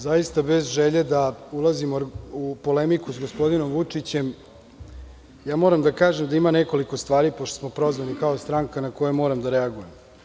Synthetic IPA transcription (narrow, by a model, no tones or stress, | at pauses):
zajist̪abezʒeʎed̪aulˠazimoupo̞lemikusɡospo̞d̪ino̞mʋut͡ʂit͡ɕe̞m | jaːmoːɾamd̪akaːʒemd̪aimaneko̞liko̞st̪ʋaːɾipoʃt̪o̥smo̞pɾo̞zʋalikaost̪ɾaŋkanako̞jemoːɾamd̪aɾeaɡujem